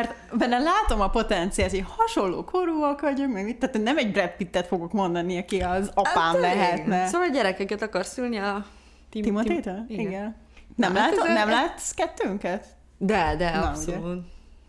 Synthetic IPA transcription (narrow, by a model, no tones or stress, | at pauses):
mɛrt̪bɛnːɛlaːt̪o̞mɒpo̞t̪ɛnt̪sijaːsehɒʃo̞lːo̰ːkʰoɾuɒkʋɒɟokmɛɡmit̪ːaːt̪ønɛmɛɟbrɛt̪pit̪ːɛt̪fo̞ɡo̞kmo̞nd̪ɒniɒkiɒzɒpaːmlɛɦɛt̪nɛsoʋɒlɟɛɾɛkɛkɛt̪ɒkɒrsylniɒ | t̪iimot̪eːt̪oiɡɛn | nɛmlaːt̪onɛmlaːt̪skɛt̪ːøːŋkɛt̪ | d̪ɛd̪ɛsou